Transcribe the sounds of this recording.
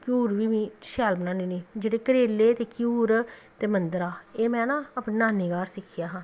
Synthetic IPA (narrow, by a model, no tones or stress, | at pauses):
kjuːɾʋiːʋĩːʃɛːlbənãːniːnĩːd͡ʒeːɽeːkəɾeːleːt̪eːkjuːɾt̪eːmənd̪ɾaːeːmɛ̃ːnãːəpnːnaːniːɡaːɾsɪkʰɪjaːɦãː